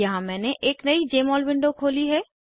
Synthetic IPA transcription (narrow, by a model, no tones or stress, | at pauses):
jɐɦãmɛ̃ːneʔeːknɐid͡ʒeːmɔːlbɪ̃ɳɖokʰoːliɦɛː